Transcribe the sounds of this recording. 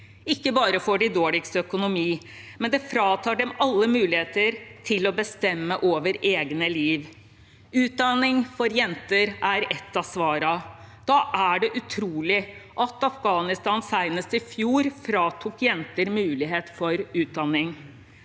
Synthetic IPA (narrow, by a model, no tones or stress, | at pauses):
ɪkːəbɑːɾəfɔɖɪd̪oːɭɪkst̪œkʊnʊmiː | mɛnd̪ɛfɾɑːt̪ʰɑːɖɛmɑlːəmʉːlɪheːt̪əɾt̪ʰɪlɔbəst̪ɛmːəʔoːʋəɾeːɡnəliːʋ | ʉːt̪̚d̪ɑnɪŋfɔɾjɛnt̪əɾæɾɛt̪ːɑsʋɑːɾɑd̪̥ɑːʔæɖɛʔʉt̪ʰɾuːlɪʔɑt̪ɑfɡɑːnɪst̪ɑːnsæɪnəst̪ɪfjuːɾfɾɑːt̪ʰuːkjɛnt̪əɾmʉːlɪɦeːt̪fɔɾʉːt̪̚d̪ɑnːɪŋ